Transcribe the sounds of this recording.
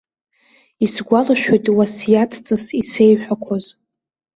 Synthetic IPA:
isɡʷalaʃᶣojtʼwasjatʰt͡sʼasise̞jħʷᶣakʷʰoz

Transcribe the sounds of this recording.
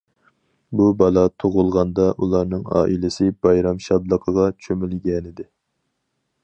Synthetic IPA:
bubɑlˠɑt̪ʰoʁʊlˠʁɑnd̪ɑʔulˠɑɾnɨŋɑ̰ːʔilɪsɪb̥ɑjɾɑmʃɑb̪lˠəqʰəʁɑt͡ʃʰømɪlɡʲɛnɪd̪ɪ

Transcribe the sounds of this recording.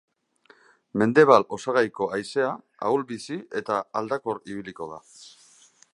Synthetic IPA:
me̞nd̪e̞β̞alo̞saɣajko̞ajse̞a | a̰ulbisie̞t̪aald̪ako̞ɾiβ̞iliko̞ða

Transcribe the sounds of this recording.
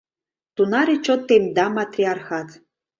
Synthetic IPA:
t̪unaɾet͡ʃot̪ːemd̪amat̪riarxat̪

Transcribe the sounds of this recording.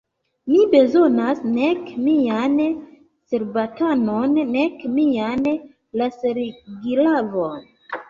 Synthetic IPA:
mibe̞zo̞nasnekmian | se̞ɾbatanonːe̞kmian | laseɾɡilavon

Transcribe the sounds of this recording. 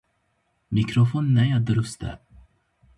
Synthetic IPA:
mɪkɾʊfoːnnæjad̪ɾɵst̪ə̰

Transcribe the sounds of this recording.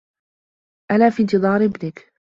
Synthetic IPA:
ʔalaːfiːnt̪ɨðˤɑːɾʔɪbnɪk

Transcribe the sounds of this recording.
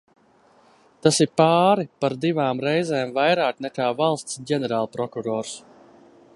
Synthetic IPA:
t̪asiɾpaːɾipaɾd̪ivaːmɾɛjzɛːmvajɾaːknɛkaːvalˠst̪sɟɛnɛɾaːlˠpɾɔkuɾɔːɾs

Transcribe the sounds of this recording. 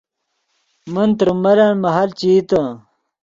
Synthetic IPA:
mənt̪ɾumɐɾanmɐɦɐlt͡ɕiːt̪ɐ

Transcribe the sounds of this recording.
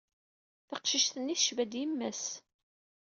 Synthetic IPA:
θɑqʃiʃθənːiθʃvæd̪jimːæs

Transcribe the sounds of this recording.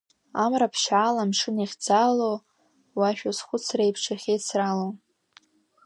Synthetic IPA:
amrapʰʃaːlamʂɨniχʲd͡zalow | waʃᶣozχʷʊt͡sʰrejpʰʂʰaχʲejt͡sʰralo

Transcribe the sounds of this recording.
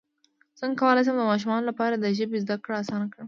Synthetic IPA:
z̥əŋkawəlajs̬amd̪əmɑʃ̬umɑnolapɑɾad̪əʒəbezd̪akɽaasɑnakɽəm

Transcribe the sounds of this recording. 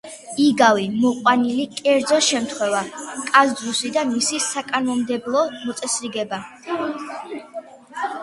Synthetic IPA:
iɡavimɔqʼwanilikʼɛɾd̪zɔʃɛmt̪ʰχwɛvakʼazd̪zusid̪amisisakʼanmɔmd̪ɛblˠɔmɔt̪sʼɛsɾiɡɛba

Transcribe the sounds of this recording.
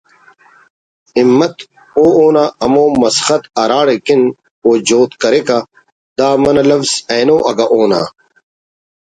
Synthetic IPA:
imːɐt̪ | oːoːnaːɐmoːmɐsxɐt̪ɐɾaːɽekin | oːd͡ʑoːt̪kɐɾekɐ | d̪aːmɐnɐlɐfzeːnoːʔɐɡɐʔoːna̰ː

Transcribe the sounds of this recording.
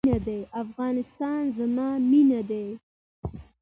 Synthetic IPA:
nad̪eʔafɣɑnɪst̪ɑnzamɑminad̪e

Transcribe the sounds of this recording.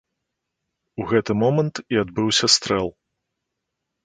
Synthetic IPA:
uɣɛt̪ɨmɔmɐnt̪iad̪bɨwsʲɐst̪ɾɛlˠ

